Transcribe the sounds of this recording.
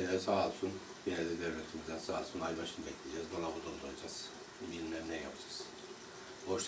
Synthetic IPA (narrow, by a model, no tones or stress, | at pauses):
ɛlɛsaːlˠsun | biɾɛzid̪evlet̪ʰimizd̪ænsaːlˠsunajbaʃɯnbɛclʲid͡ʒɛːzbalˠabud̪od̪ojˠad͡ʒaz̥ | ilmɛɾnɛjapʰd͡ʒḁz̥ | boʃ